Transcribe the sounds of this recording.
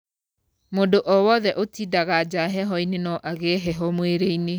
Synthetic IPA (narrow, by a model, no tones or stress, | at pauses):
modoʔɔwɔðɛʔotidaɣad͡ʒaɦɛɦɔinenɔʔaɣeːɦɛɦɔmweɾeine